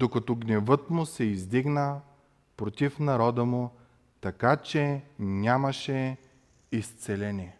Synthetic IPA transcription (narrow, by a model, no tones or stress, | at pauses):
d̪okɐt̪ɔɡnɛvɤt̪mʊsɛizd̪iɡnə | pɾot̪ifnɐɾɔd̪əmʊ | t̪ɐkat͡ʃɛnʲamɐʃɛ | ist̪sɛlɛnʲiɛ